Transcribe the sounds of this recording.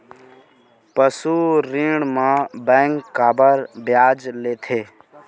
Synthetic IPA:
pəsuɾĩɽmãbɛ̃ːŋkːaːbəɾbjaːd͡ʒleːt̪ʰeː

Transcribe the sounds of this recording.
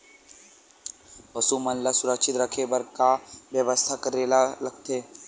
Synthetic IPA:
ʋɐsumɐnlasʊɾəkʃɪt̪ɾɐkʰebɐɾkaʋjəʋəst̪ʰakəɾeːlalɐɡ̚t̪ʰeː

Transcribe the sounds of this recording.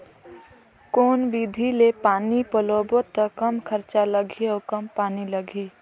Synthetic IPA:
koːnbid̪ʱilepaːnipəloːbot̪əkɐmkʰəɾt͡ʃaləɡʱiɔːkəmpaːniləɡʱiː

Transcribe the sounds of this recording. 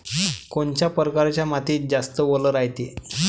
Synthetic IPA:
koɳt͡ɕjapəɾkaɾt͡ɕjamat̪iːt̪̚d͡zast̪əʋoləɾajt̪i

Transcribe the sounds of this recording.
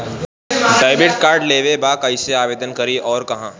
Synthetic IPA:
ɖaːɪbɾeʈ̚kaːɾɖleːʋebaːkaɪseaːʋeːd̪ənkɐɾiʔɔːɾkɐɦãː

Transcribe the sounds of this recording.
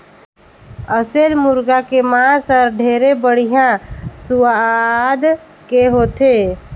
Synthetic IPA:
əselmʊɾɡakemaːsəɾɖʱeːɾebəɽ̤ijãsʊad̪ | keɦoːt̪e

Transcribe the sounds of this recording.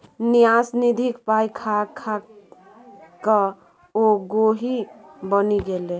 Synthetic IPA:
nijasnid̪ʱikpajkʰakʰa | kə | oɡoɦibəniɡele

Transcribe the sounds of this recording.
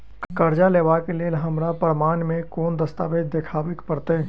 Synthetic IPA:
kkɐɾd͡ʒaleːʋakeleːlɦɐmɾapəɾmaːnmẽkɔːnd̪əst̪aːʋeːd͡ʒ̪d̪ekʰaːʋɪkpəɾt̪e

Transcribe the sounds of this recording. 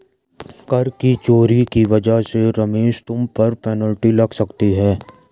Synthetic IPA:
kɐɾkit͡ʃoːɾikiʋɐd͡ʒəɦseɾɐmeːʃt̪ʊmpɐɾpɛːnəlʈilɐɡsɐkt̪iɦɛː

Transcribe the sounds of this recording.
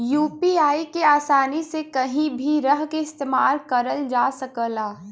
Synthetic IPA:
juːpiaːikeaːsaːnisekɐɦĩbʱiɾəɦkeɪst̪eːmaːlkɐɾəld͡ʒaːsɐkəlaː

